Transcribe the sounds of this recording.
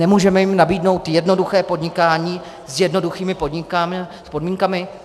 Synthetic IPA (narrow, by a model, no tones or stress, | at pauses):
ɛmuːʒɛmɛjɪmnabiːdno̞wt̪jɛdno̞duxɛːpo̞dɲɪkaːɲiː | zjɛdno̞duxiːmɪpo̞dɲɪkamspo̞dmiːŋkamɪ